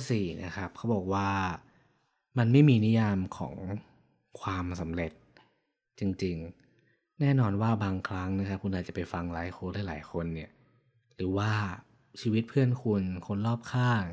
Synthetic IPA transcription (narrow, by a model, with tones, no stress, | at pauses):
siː˨˩na̰˦˥kʰa˦˥p̚kʰa˦˥wbɔː˨˩k̚waː˥˩ | ma˧nma˥˩jmiː˧ni˦˥jaː˧mkʰɔ̰ː˩˦ŋ | kʰwaː˧msa˨˩˦mɾe˨˩t̪̚ | t͡ɕi˧ŋt͡ɕi˧ŋ | nɛː˥˩nɔː˧nwaː˥˩baː˧ŋkʰɾa˦˥ŋna˦˥kʰa˦˥p̚kʰu˧nʔaː˨˩t̚t͡ɕa˨˩pa˧jfa˧ŋlaː˨˩˦jxʰoː˧ɾaː˥˨jlaː˩˦jkʰo˧nːi˥˩ɐ | ɾɯː˩˦waː˥˩ | t͡ɕʰiː˧wi˦˥t̪̚pʰɯ˥˩ənkʰu˧nkʰo˧nlɔː˥˩p̚kʰaː˥˩